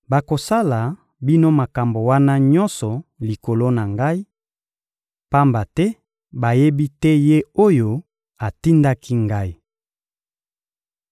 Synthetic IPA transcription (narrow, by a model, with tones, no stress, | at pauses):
ba˨ko˨sa˦la˨ | bi˦no˦ma˨ka˨mbo˨wa˦na˦ɲɔ̃˦nsɔ˨li˨ko˨lo˦na˨ŋɡa˦i˦ | pa˦mba˨tɛ˦ | ba˨je˦bi˦tɛ˦je˦o˦jo˦ | a˨ti˦nda˦kʰi˦ŋɡa˦i˦